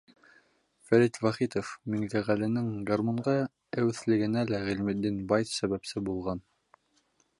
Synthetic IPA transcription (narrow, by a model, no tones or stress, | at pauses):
fæɾit̪vɑχit̪ofmɘŋd̪æʁælɘ̆nɘŋɡɑrmoɴɢɑ | æwɘ̆θlɘ̆ɡɘ̆nælæʁĭlmɘ̆d̪ːinbɑjθsæβæpsɘbulˠʁɑn